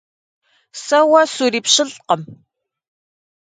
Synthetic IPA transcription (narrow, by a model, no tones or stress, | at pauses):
sɐwɐsuɾiːpɕɪɮqəm